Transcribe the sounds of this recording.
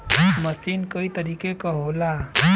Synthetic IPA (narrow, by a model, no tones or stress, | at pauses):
məsinkəit̪əɾikekɔɦola